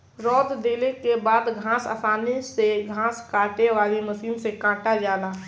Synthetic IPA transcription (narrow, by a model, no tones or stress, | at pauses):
ɾɔːd̪d̪eːlekebaːd̪ɡʱãːsə̰saːneseɡʱãːskaːʈeʋaːliməsiːnsekãːʈad͡ʒaːlaː